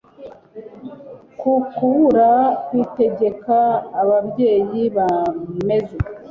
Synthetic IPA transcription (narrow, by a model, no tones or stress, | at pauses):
kukuβuɾakwite̞ɟe̞kaːβabɟe̞ːjiβame̞ze